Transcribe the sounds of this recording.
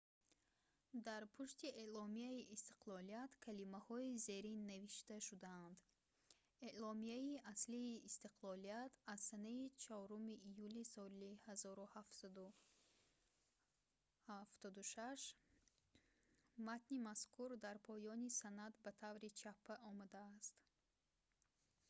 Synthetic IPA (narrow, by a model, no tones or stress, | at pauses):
d̪aɾpʰuʃt̪iʔelɔmiaiʔist̪i̥qlɔliat̪kʰalimahɔize̞ɾinːaviʃt̪aʃud̪aːnd̪ | elɔmiaiasliːst̪iqʰlɔliat̪ʰazsanait͡ʃʰɔɔɾumiʔːjulisɔlihazɔɾuhaf | haft̪ɔd̪uʃaʃ | mat̪nimaskʰuɾd̪aɾpʰɔjɔnisanat̪bat̪ʰavɾit͡ʃʰapʰːaʔɔmad̪aːst̪